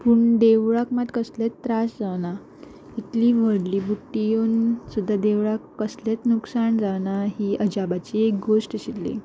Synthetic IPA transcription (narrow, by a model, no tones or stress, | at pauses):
puɳɖeʋɭakmat̪kəslet̪ːɾasd͡zaʋna | it̪liʋ̤əɽliːbuʈːionsud̪ʱːad̪eʋɭakːəslet̪nuksaɳd͡zaʋnaɦiːʔəd͡ʑabat͡ɕiek̚ɡosʈəɕit̪lḭ